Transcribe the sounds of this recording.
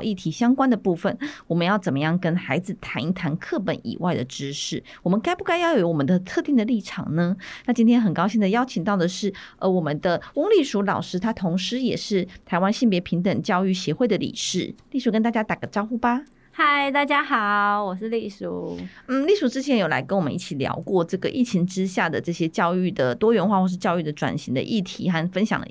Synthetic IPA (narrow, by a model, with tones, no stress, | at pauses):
ʔi˥˩t̪ʰi˧˥ɕjɑ˥ŋkwa˥nd̪ə˨pu˥˩fə˨˩nwɔ˨˩mə˦njɑ˥˩ʊt͡sə˨˩nmə˦jɑ˥˩ŋkə˥nxa˧˥ɪd͡zɹ̩˨t̪ʰa˧˥ni˥˩t̪ʰa˧˥nkʰɤ˥˩pə̰˨˦nḭ˨˩wa̰˥˩ɪd̪ə̰˩ʈ͡ʂɻ̩˥ʂɻ̩˥˩wɔ˨˩mə˦nka˥ɪpu˥˧ka˥˧ɪjɑ˥˩ʊjo˧˩˦wɔ˨˩mə˦nd̪ə˧t̪ʰɤ˥˧t̪i˥˩ŋd̪ə˩li˥˩ʈ͡ʂʰɑ̰˨˩ŋnə˦na˥˩t͡ɕi˥nt̪ʰjɛ˥nxə˨˩nkɑ˥ʊɕi˥˩nd̪ə˩jɑ˥ʊt͡ɕʰi˨ŋt̪ɑ˥˩ʊd̪ə˩ʂɻ̩˥˩ʔə˧˥wɔ˨˩mə˦nd̪ə˧wʊ˥ŋli˥˩ʂu˧˥lɑ˨˩ʊʂɻ̩˥t̪ʰa˥t̪ʰo˧˥ŋʂɻ̩˧˥jɛ˨˩ʂɻ̩˥˩t̪ʰa˧˥ɪwa˦nɕi˥˩npjɛ˧˥pʰi˧˥ŋt̪ə˨˩ŋt͡ɕjɑ˥˧ʊy˥˩ɕjɛ˧˥xwe˥˩ɪd̪ə˩lḭ˨˩ʂɻ̩˥˩li˥˩ʂu˧˥kə˧˥nt̪a˥˧t͡ɕja˥t̪a˨˩ɡə˧˩ʈ͡ʂɑ˥˧ʊxu˥ba˨ | ha˥˧ɪt̪a˥˩t͡ɕja˥xɑ˨˩ʊwɔ˨˩ʂɻ̩˥˧li˥˩ʂu˨˧˦n̩˥˩li˥˩ʂu˧˥ʈ͡ʂɻ̩˥t͡ɕʰjɛ˧˥njo˨˩la̰˧˥ɪkə˧˥nwɔ˨˩mə̰˦nʔi˥˩t͡ɕʰi˨˩ljɑ̰˧˥ʊkwɔ˥˧ʈ͡ʂɤ˥˩ɡə˨ʔi˥˩t͡ɕʰi˧˥ŋʈ͡ʂɻ̩˥ɕja˥˩d̪ə˩ʈ͡ʂɤ˥˩ɕjɛ˥t͡ɕjɑ˥˧ʊy˥˩d̪ə˩t̪wɔ˥ɥɛ˧˥nxwa˥˧xwɔ˥˧ʂɻ̩˥˧t͡ɕjɑ˥˧ʊy˥˩d̪ə˩ʈ͡ʂwa̰˨˩nɕi˧˥ŋd̪ə̰˧ʔi˥˩t̪ʰḭ˧˥xa˥˧nfə˥nɕjɑ̰˨ŋd̪ə̰˧